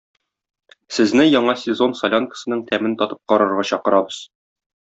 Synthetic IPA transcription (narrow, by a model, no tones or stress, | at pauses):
sɘ̆znɘjɒɴɑsʲɪzo̞nsɐlʲonkə̥sɤ̆nɤɴt̪ʰæmɘnt̪ɒt̪ɤ̥p̚qɒɾɤ̆ɾʁɑɕɒqɤ̆ɾɑbɤz̥